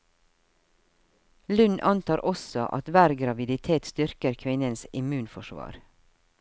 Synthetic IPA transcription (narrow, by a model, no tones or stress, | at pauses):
lʉnʔɑnt̪ʰɑːɾʔɔsɔʔɑ̰t̪ʋæːɾɡɾɑʋɪd̪ɪt̪ʰeːt̪st̪ʏɾkəɾkʰʋɪnənsɪmʉːnfɔʃʋɑ̰ːɾ